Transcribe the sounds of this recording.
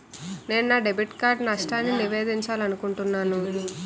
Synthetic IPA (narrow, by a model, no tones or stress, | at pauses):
ne̞ːnnaːɖebiʈkaːɾɖnɐʂʈaːnːiniʋe̞ːd̪iɲt͡ʃaːlɐnukuɳʈunːaːnu